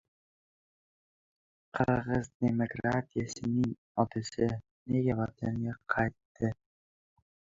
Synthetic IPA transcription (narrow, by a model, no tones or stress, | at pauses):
qʰɨɾʁəzd̪emokɾat̪ʲijasɪnɪŋ | ɒt̪asɪ | neɡʲavɑt̪ʰanɡʲaqʰɑjt̪ːɪ